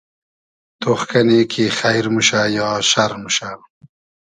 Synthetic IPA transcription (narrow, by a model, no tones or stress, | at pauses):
t̪ʰoxkanekʰixajɾmuʃajɑːʃaɾmuʃa